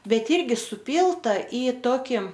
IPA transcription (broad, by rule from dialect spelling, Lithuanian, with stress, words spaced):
ˈbʲɛt ˈiːrʲɡʲɪ sʊˈpʲiːlˠtɐ ɪ ˈtoːkʲɪ